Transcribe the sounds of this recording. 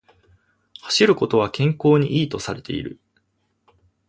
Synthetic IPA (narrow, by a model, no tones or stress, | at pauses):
hḁɕiɾɯ̟kot̪o̞βakẽ̞ŋko̞ːɲ̟iʔiːt̪o̞saɾe̞t̪e̞̰ḭɾɯ̟̰